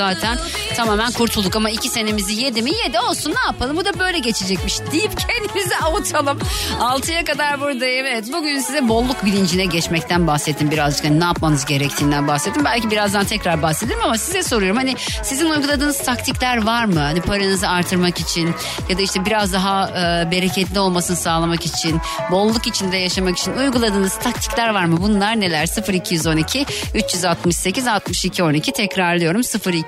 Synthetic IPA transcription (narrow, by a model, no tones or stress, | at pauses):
aːt̪ʰæn | t̪ʰamaːmænkʰuɾt̪ʰulˠukamaicʰise̞ne̞mizije̞d̪imijed̪ɛo̞lˠsunːaːpalˠɯmbud̪abø̞jlʲɛɟe̞t͡ʃʰed͡ʒɛc̚miʃd̪̥ijipcʰend̪imizɛavut̪ʰalˠɯmalˠt̪ʰɯjakad̪aɾbuɾd̪aɛvɛt̪̚buɟynsizɛbo̞lˠːukbilʲind͡ʒinɛɟɛt͡ʃmɛc̚t̪ʰænbaxset̪ʰːimbiɾazd͡ʒɯkhaninaːp̚manɯzɟe̞ɾɛc̚t̪ʰiːnd̪ænbaset̪ʰːimbælʲcibiɾazd̪ant̪ʰɛcɾaɾbahsed̪eɾimamasizɛso̞ɾujo̞ɾmhanɪ | sizinujɡulˠad̪ɯːnɯzt̪ʰakt̪ʰiclʲæɾvaɾmɯhanipʰaɾanɯzɯaɾt̪ʰɯɾmakit͡ʃʰin | jad̪aiʃt̪ɛbiɾazd̪aɦaɯbe̞ɾecʰɛt̪lʲio̞lˠmasɯnɯsaːlˠamakit͡ʃʰin | bo̞lˠːukit͡ʃʰind̪ɛjaʃamaki̥t͡ʃʰinujɡulˠad̪ɯːnɯz̥t̪ʰak̚t̪ʰi̥clʲæɾvaɾmɯbunlˠaɾne̞lʲæɾsɯfɯɾicʰijyzo̞nicʰiyt͡ʃjyzat̪mɯʃse̞cʰizat̪mɯʃicʰio̞nicʰit̪ʰɛcɾaɾlˠɯjo̞ɾumsɯfɯɾi